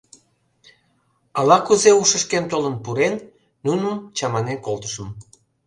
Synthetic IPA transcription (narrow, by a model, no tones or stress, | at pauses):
ɑlɑkuzeuʃəʃkent̪olənpuɾenː | unəmt͡ɕɑmɑnekolt̪ə̥ʃə̆m